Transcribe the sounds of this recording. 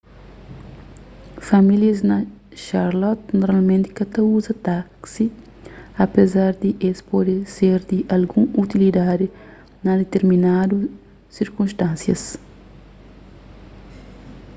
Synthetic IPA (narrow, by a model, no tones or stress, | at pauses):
fɐmiljɐznɐʃaɾlɔt̪noɾalmẽnt̪i̥kɐt̪ɐuzɐt̪aksi | ɐpezaɾd̪iʔespɔd̪iseɾd̪iʔɐlɡũut̪ilid̪ad̪i | nɐd̪et̪eɾminad̪u | siɾkũnʃt̪ãnsjɐ̰s